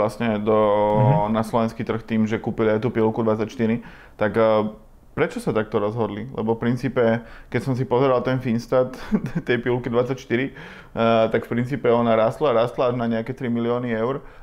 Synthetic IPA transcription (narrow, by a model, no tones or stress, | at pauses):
lasɲɛd̪ɔnaslɔʋɛnskit̪r̩xt̪iːmʒɛkuːpiliajt̪uːpilkud̪ʋat͡sacʃt̪iɾi | t̪akː | pɾɛt͡ʃɔsat̪ak̚t̪ɔɾɔzɦɔd̪lilɛ̰bɔfpɾint͡siːpɛkɛcsɔmsipɔzɛɾalt̪ɛnfinst̪at̪t̪ːɛjpilkid̪ʋat͡sacʃt̪iɾi | t̪akfpɾint͡siːpɛɔnaɾaːst̪laɾaːst̪laaʒnaɲɛakɛt̪ɾimiliɔːniɛʊɾ